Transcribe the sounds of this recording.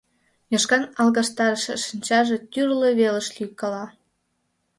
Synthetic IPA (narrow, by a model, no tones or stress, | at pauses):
jɑʃkɑnɑlˠɣɑʃt̪ɑɾəʃḛʃinʲt͡ɕɑʒe̽t̪ʲyrleβelə̆ʃlykɑlɑ